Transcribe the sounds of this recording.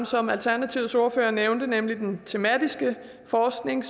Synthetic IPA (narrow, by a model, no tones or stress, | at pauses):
msɒ̽mælt͡sʰæɐnæt͡sʰiʊso̝ɐfø̰ːɐneʊnd̥ənemlid̥ent͡sʰe̝mæd̥isɡ̥ə | fɒːsɡ̥ne̝ŋs